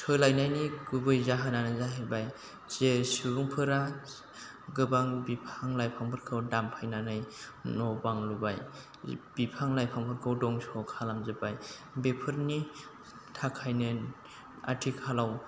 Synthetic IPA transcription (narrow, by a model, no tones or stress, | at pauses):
sʰɯlajnajniɡubɯjzaɦananɯzaɦɯjbaj | z̥esiɡuŋpʰɯɾa | ɡɯbaŋbipʰaŋlajpʰaŋpʰɯɾkʰɯwdampʰajnanɯjnɔbaŋlubaj | b̥ipʰaŋlajpʰaŋpʰɯɾkʰɯwdɔŋsɔkʰalamzɯbaj | bepʰɯɾni | tʰakʰajnɯn | a̰tʰikʰalaw